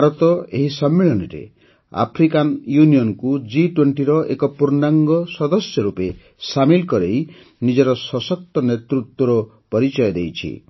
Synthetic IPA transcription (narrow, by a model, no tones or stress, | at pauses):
bʱaɾɔt̪ɔeɦisɔmːeɭɔniɾḛ | a̰pʰɾikanjuniɔnkud͡ʒiʈweɳʈiɾɔʔḛkɔpuɾnaŋɡɔsɔd̪ɔsjɔɾupe | samilkɔɾej | nid͡ʒɔɾɔsɔsɔk̚t̪ɔnet̪ɾut̪wɔɾɔ | pɔɾit͡ʃɔjɔd̪ejt͡ʃʰḭ